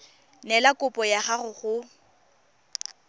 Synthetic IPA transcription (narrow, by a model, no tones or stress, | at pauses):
nɛlakʼʊpʼɔjaχaχʊχʊ